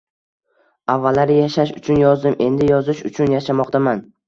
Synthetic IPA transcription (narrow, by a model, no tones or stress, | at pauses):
avːalːaɾɪjaʃaʃʊt͡ʃʰʊnjɒzd̪ɪmʔe̞nd̪ɪjɒzɪʃʊt͡ʃʰʊnjaʃamɒqt̪ʰaman